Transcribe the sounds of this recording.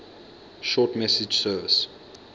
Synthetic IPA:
ʃɔːˑtmɛsɪd͡ʒsɜːvəs

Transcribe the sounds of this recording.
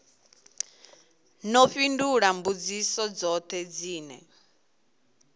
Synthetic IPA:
nɔɸinduɺambud͡zisɔd͡zɔt̪ʰɛd͡ziːnɛ̰

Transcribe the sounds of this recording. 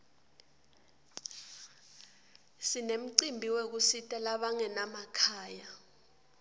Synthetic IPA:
sinem̩ǀimbʱiwek̬usitʼalaɓaŋɛnamakʰaːja

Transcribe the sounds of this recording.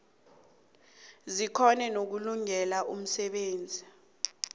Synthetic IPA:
zikʰɔnɛnok̬uluŋɛlaʔum̩sɛɓeːnd͡zʱi

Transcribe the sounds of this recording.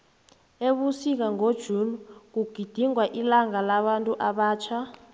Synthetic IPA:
eɓusik̬aŋod̥ʒ̥ʱuːnuk̬uɡ̥ʱid̥ʱiŋwaʔilaŋalaɓantʼuʔaɓaːt͡ʃʰa

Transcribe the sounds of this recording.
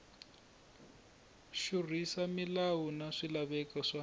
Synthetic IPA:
ʃurisamilawunaʂilaβɛkaʂa

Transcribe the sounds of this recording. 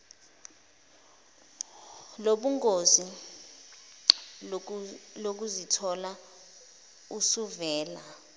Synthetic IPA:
loɓuŋɡʱozi | lok̬uzitʰɔla | usuvɛːla

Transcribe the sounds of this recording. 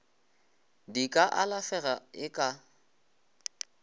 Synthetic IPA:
dikʼaʔalafɛɣaɪkʼa

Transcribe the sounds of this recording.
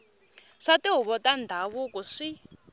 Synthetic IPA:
ʂatiɦuβɔtandʱaβukuʂi

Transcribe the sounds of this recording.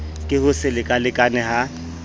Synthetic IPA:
kʼɪhʊsɪlɪkʼalɪkʼanɛɦa

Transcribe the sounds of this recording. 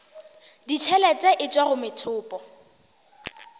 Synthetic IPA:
dit͡ʃʰɛlɛt͡sʼɛʔɪt͡ʃʼwaɣʊmɪtʰʊːpʼɔ

